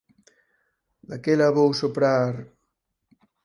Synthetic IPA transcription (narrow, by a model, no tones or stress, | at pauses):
d̪akelaβowsopɾaɾ